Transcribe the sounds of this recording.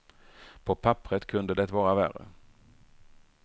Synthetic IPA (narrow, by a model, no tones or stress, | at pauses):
pʰɔpʰapːɾət̪kʰɵnd̪əd̪ɛt̪vɑːɾavæ̰rə̰